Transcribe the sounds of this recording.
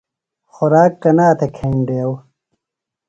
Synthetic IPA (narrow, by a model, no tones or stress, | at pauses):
xɔɾaːkːɐnaːt̪ʰekʰeːɳɖeːɐw